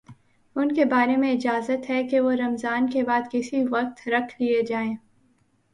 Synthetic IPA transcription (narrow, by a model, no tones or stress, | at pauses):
ʊnkebaːɾemẽɪd͡ʒaːzət̪ɦɛkeʋoɾɐmzaːnkebaːd̪kɪsiʋɐq̚t̪ɾɐkʰlied͡ʒaːẽː